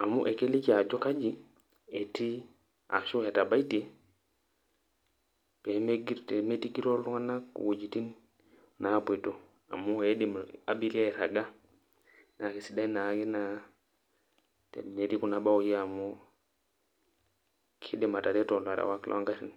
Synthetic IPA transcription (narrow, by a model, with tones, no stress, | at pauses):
a˨mu˦ʔe˨ke˦li˦ki˦a˨d͡ʒo˦ka˦d͡ʒi˦ | e˨ti˦ | a̰˨ʃu˦e˨ta˨ba˦iti˨ | pe˨me˦ɡi˦ɾte˨me˦ti˦ki˦ɾo˦lu˦ŋa˦na˦kːṵ˨wo˨d͡ʒi˨ti˦n | na˨pe˨to˦ | a̰˨mu˦e˦di˨ma˨bi˦ɾe˦˨ɾa˨ɡa˦ | na˨ki˨si˦da˦i˦na˨ke˦na˦ | tḛ˨ne˨ɾi˦ku˨na˨ba˦o˨je˦a˨mu˦ | kʰi˦de˨ma˨ta˨ɾe˦to˨la˨ɾa̰˨wa˦klʔo̰˦ŋɡa˦tḭ˨n